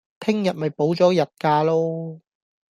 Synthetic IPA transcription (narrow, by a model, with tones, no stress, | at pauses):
t̪ʰɪ˥ŋjɐ˨t̚mɐ˨˩jpo˨˥wt͡sɔː˨˥jɐ˨t̚kaː˧lo˥